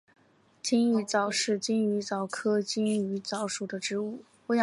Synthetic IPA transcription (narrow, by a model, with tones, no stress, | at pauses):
t͡ɕi˥ŋy˧˩t͡sɑ˨˩ʊʂɻ̩˥˩t͡ɕi˥ŋy˧˥t͡sɑ˨˩ʊkʰɤ˥t͡ɕi˥ŋy˧˥t͡sɑ˧˥ʊʂu˨˩d̪ə˦ʈ͡ʂɻ̩˧˥u˥˩ | pu˥jɑ˧